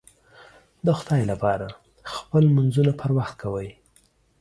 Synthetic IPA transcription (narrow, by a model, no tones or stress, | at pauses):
d̪əxʊd̪ɑjlapɑɾa | xpəlmanzunapʰəɾwaxt̪̚kʰawəj